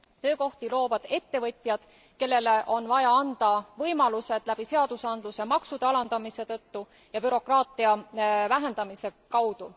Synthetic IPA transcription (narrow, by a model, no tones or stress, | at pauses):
t̪ø̞ːko̞ht̪ilo̞ːvɑd̪̥e̞t̪ːe̞vɤt̪ʲjɑd̪̥ | ke̞lːe̞le̞ʔo̞nvɑjɑɑnd̪̥ɑvɤjmɑluse̞d̪̥læb̥ise̞ɑd̪̥usɑnd̪̥luse̞mɑksud̪̥eɑlɑnd̪̥ɑmise̞t̪ɤt̪ːu | jɑbyɾo̞krɑːt̪ˑiɑvæɦe̞nd̪̥ɑmise̞kɑwd̪̥u